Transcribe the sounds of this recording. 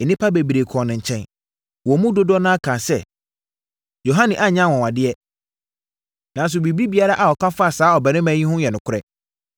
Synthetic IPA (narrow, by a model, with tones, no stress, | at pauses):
ɛ˨nɪ̃˦pʰa˦be˨bi˨ɾe˨kʰɔ̃˨nɪ̃˨ɲ̩˨t͡ɕʰɛ̃˦n | wɔ˨˦mũ˦do˦dɔ˦nãː˦a˦kʰã˨sɛ˦ | jo˨ɦã˦nɪ̃˨ʔa˦ɲã˦˨wɔ̃˨wa˨dɪ˦ɛ˦ | nã˨n˦s̬ʊ˨bi˨bi˦bi˨a˦ɾa˦ʔa˨ɔ˨kʰã˦fa˦˨saː˨˦ɔ˨bɛ˨nɪ̃˦mæ̃˦ĩ˦hʊ̃˦jɛ˨nʊ̃˨kʰʊ˦ɾɛ˨